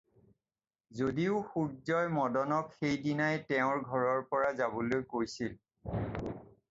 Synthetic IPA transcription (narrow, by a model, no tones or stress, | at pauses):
zodiʊxuɹzɔjmɔdɔnɔkxejdinajtɛʊ̃ɹɡʱɔɹɔɹpɔɹazabolojkojsil